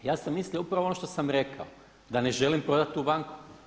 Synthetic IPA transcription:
jaːsemːislioupɾaʋoonoʃt̪osamɾe̞kʰao | d̪aneʒe̞limpɾo̞d̪at̪ːubaŋku̥

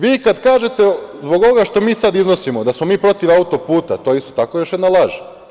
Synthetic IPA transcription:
ʋiːkad̪kaːʒe̞t̪ezboɡo̞ʋoɡaʃt̪o̞miːsad̪izno̞simo̞d̪asmo̞miːpɾo̞t̪iʋaut̪o̞puːt̪a̰t̪o̞eist̪ot̪akojo̞ʃjednalˠaʒi

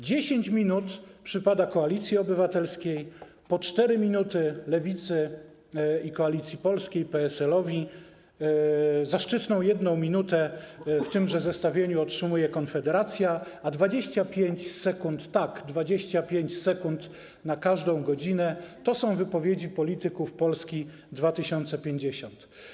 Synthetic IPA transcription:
d͡ʑeɕeɲt͡ɕmʲinut̪pʂɘpad̪akɔalʲit̪sʲjiɔbɘvat̪ɛlskʲej | pɔt͡ʂt̪ɛɾɘmʲinut̪ɘlɛvʲit̪sɘ | ikɔalʲit̪sʲjipɔlskʲejpɛɛsɛlɔvʲi | zaʂt͡ʂɘt̪nɔ̃w̃jɛd̪nɔ̃w̃mʲinut̪ɛft̪ɘmʐɛzɛst̪avʲjeɲuɔtʂɘmujɛkɔnfɛd̪ɛɾat̪sʲjaːd̪vad͡ʑeɕt͡ɕapʲjeɲt͡ɕsɛkunt̪ːaɡd̪vad͡ʑeɕt͡ɕapʲjeɲt͡ɕsɛkunt̪ | nakaʐd̪ɔ̃w̃ɡɔd͡ʑinɛt̪ɔsɔ̃w̃vɘpɔvʲjed͡ʑipɔlʲit̪ɘkufpɔlskʲi | d̪vat̪ɘɕɔnt̪sɛpʲjeɲd͡ʑeɕɔnt̪

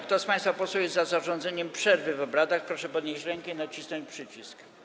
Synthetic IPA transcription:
kt̪ɔspãj̃st̪fapɔswuwjɛst̪zazaʐɔnd̪zɛɲɛmpʂɛɾvɘvɔbɾad̪axpɾɔʂɛpɔd̪ɲeɕt͡ɕɾɛŋkɛinat͡ɕisnɔ̃ɲt͡ɕpʂɘt͡ɕisk

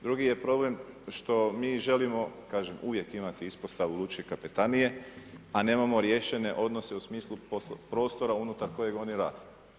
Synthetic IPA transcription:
d̪ɾuɡije̞pɾo̞ble̞mʃt̪o̞miːʒe̞limo̞kaːʒemuʋje̞kimat̪iispost̪aʋulˠut͡ʃekapit̪anije̞ane̞ːmamo̞ɾjeʃe̞ne̞ʔo̞d̪nose̞usmiːslˠupopɾo̞ːst̪o̞ɾaunut̪aɾko̞je̞ɡo̞niɾa̰ːd̪e

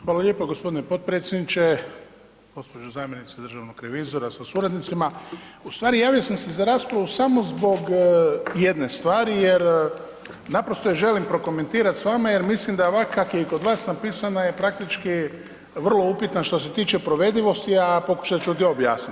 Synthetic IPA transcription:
xʋaːlalʎʲjepoɡospod̪inepo̞d̪̚pɾeːt̪sjed̪nit͡ʃe | ɡ̥o̞spo̞d͡ʒuzaːmjenit̪sed̪ɾr̩ʒaʋnokɾe̞ʋizo̞ɾasasuɾad̪nit̪sima | ust̪ʋaːɾijaːʋijosamse̞zaɾaːspɾaʋusamo̞zbo̞ɡ | jed̪ne̞st̪ʋaːɾijeɾ | napɾo̞st̪ojeʒe̞limpɾo̞ko̞me̞nt̪iːɾat̪sʋamajeɾmislimd̪aoʋakakjeiko̞d̪ʋaːsnapiːsanajepɾak̚t̪it͡ʃki | ʋərlˠo̞upit̪nanʃt̪o̞s̬e̞t̪iːt͡ʃe̞pɾo̞ʋe̞d̪iʋo̞st̪iapo̞ku̥ʃat͡ʃuod̪ioobja̰ːsnit̪

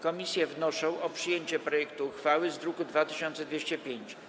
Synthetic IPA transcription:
kɔmʲisʲjɛvnɔʂɔ̃w̃ʔɔpʂɘjeɲt͡ɕɛpɾɔjɛkt̪uxfawɘzd̪ɾukud̪vat̪ɘɕɔnt̪sɛd̪vʲeɕt͡ɕɛpʲjeɲt͡ɕ

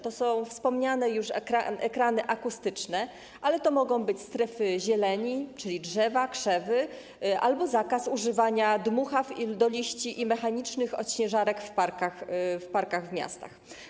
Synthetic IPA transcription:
t̪ɔsɔ̃w̃fspɔmɲanɛjuʂkɾaɛkɾanɘʔakust̪ɘt͡ʂnɛ | ʔalɛt̪ɔmɔɡɔ̃w̃bɘt͡ɕst̪ɾɛfɘʑɛlɛɲit͡ʂɘlʲidʐɛvakʂɛvɘ | ʔa̰lbɔzakasuʐɘvaɲad̪muxafild̪ɔlʲiɕt͡ɕiʔimɛxaɲit͡ʂnɘxɔ̰ɕɲɛʐaɾɛkfpaɾkaxfpaɾkaɣvmʲja̰st̪a̰x

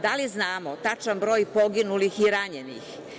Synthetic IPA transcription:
d̪aliznaːmot̪at͡ʃanbɾo̞ːjpo̞ɡinulixiɾaɲenḭx

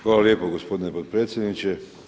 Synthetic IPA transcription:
xʋaːlaljeːpoɡospo̞d̪inepot̪̚pɾeːt̪sʲjed̪nit͡ɕe

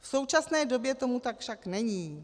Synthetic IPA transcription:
fso̞wt͡ʃasnɛːdo̞bjɛt̪o̞mut̪akfʃaknɛɲiː

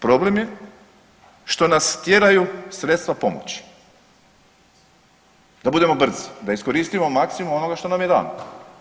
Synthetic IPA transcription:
pɾo̞ble̞mje̞ | ʃt̪o̞nast̪je̞ɾajusɾet̪st̪ʋapo̞mo̰t͡ɕi̥ | d̪̥abud̪e̞mo̞br̩zi̥d̪aisko̞ɾiːst̪imomaksimumo̞no̞ɡaʃt̪o̞namjed̪a̰ːno

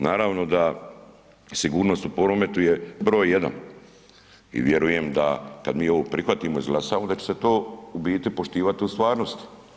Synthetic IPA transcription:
naːɾaːʋno̞d̪a | siɡuːɾnost̪upo̞ɾome̞t̪uje̞bɾo̞ːjːe̞d̪a̰n | ḭʋje̞ɾuje̞md̪a̰ka̰d̪miːo̞ʋopɾixʋat̪iːmo̞izɡlˠasaːʋod̪at͡ɕese̞t̪oːubiːt̪ipo̞ʃt̪iːʋat̪iust̪ʋaːɾno̞st̪i̥

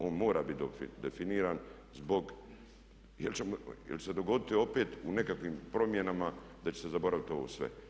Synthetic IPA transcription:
o̞ːnmo̞ːɾaːbit̪̚d̪ofḭd̪efiniːɾaːn | zbo̞ɡ | jelt͡ɕemojelt͡ʃesed̪o̞ɡo̞d̪it̪io̞pe̞ːt̪une̞kakʋimpɾo̞mje̞namad̪at͡ɕesezabo̞ɾaʋit̪o̞ʋo̰ːsʋḛ

